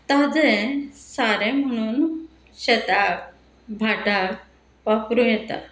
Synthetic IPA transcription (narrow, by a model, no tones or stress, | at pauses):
t̪ad͡zɛsaɾɛm̤əɽ̃uːn | ɕet̪ak̚ | bʱaʈak | papɾũjɛt̪a̰